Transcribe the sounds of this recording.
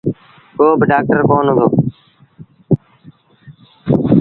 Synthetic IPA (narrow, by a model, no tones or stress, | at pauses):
koːbɪɖaːk̚ʈəɾkoːnɦʊ̃d̪oː